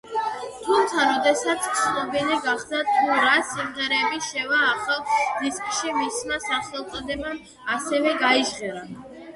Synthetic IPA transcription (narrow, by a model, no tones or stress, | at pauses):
t̪ʰumt̪sʰaɾɔd̪ɛsat̪sʰsʰnɔbiliɡaχd̪at̪ʰuɾasimʁɛɾɛbiʃɛvaːχalˠd̪iskʼʃimismasaχɛlˠq̪ʼɔd̪ɛbam | asɛvɛɡaiʒʁɛɾa